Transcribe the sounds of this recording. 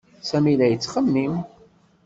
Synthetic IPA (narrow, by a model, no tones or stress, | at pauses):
sæmilæjət͡sːχəmːim